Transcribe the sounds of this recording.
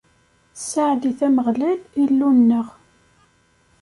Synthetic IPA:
saʕd̪iθæməʁlælilːunːəʁ

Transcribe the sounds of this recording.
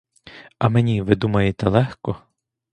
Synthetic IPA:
ɐmenʲiʋɪd̪umɐjet̪ɛlˠɛxkɔ

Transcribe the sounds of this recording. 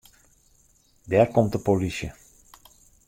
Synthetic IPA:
dɛːrkɔmt̚dəpolisjə

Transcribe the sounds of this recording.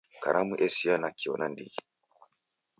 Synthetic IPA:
ka̰ɾʔamuʔɛsianakiɔnandḭɡi

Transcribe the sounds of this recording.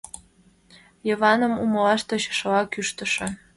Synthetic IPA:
jɤ̆vɑnə̆mumlɑʃt̪ŏɕʃɤɑkyʃt̪ə̆ʃĕ

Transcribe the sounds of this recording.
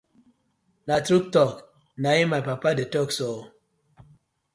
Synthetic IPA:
natɾuk̚tɔk | naimajpapadetɔksɔ

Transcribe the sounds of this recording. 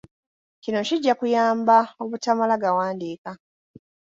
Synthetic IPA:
cino̞ciɟːakujaːmbao̞βutamalaɡawaːndiːka

